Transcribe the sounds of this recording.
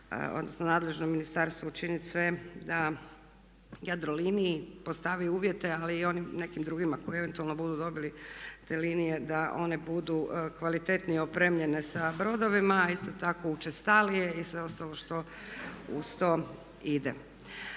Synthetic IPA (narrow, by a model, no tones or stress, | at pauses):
o̰d̪nosnonaːd̪le̞ʒnomːinist̪aɾst̪ʋout͡ʃinit̪sʋe̞d̪a | jad̪ɾoliniipo̞st̪aʋiuːʋje̞t̪e̞aliːo̞nimne̞kimd̪ɾuːɡimako̞ie̞ʋe̞nt̪ualno̞bud̪ud̪o̞bilit̪e̞liːnije̞d̪aʔo̞nebud̪ukʋalit̪e̞t̪niopɾe̞ːmʎe̞nesabɾo̞d̪o̞ʋimaist̪ot̪ako̞ut͡ʃest̪alije̞isʋe̞o̞st̪alo̞ʃt̪o̞ | ṵst̪o | id̪ḛ